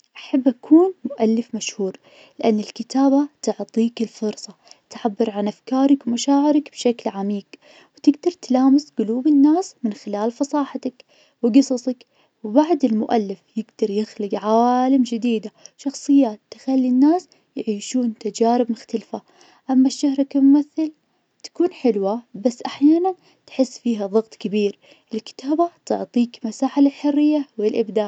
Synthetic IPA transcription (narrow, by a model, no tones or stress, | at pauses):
ʔaħabːʔakʰuːnmʊʔalːɪfmaʃhuːɾ | lɪʔanːɪlkɪt̪aːbat̪ʊʕt̪ˤiːkɪlfʊɾsˤɑt̪ʕabːɪɾʕanʔafkɑːɾˤɪkwmaʃaːʕɪɾɪkbʃaklʕamiːɡ | wt̪ɪɡd̪ɑɾˤt̪laːmɪsɡʊluːbɪnːaːsmɪnxɪlaːlfɑsˤɑːħat̪ak | wɪɡɨsˤɑsˤɑk | wɪbaʕd̪ɪlmʊʔa̰lːɪfjɪɡd̪̥ɑɾˤjɪxlɪɡʕawaːlɪmd͡ʒɪd̪iːd̪aʃɑxsˤɨjːaːt̪ːɪ̥xalːinːaːs | jʕiːʃuːnt̪ad͡ʒaːɾɪbmʊxt̪alfa | ʔamːaʃːahɾˤkammaθːɪl | t̪ḁkuːnħɪlwabasːʔaħjaːnan | t̪ħɪsːfiːɦaðˤɑɣt̪ˤkabiːɾ | ʔɪlkɪ̥t̪ʰaːbat̪ʊ̰ʕt̪ˤiːkmasaːħalɪlħʊrːɪjːawɪlʔɪbd̪aːʕ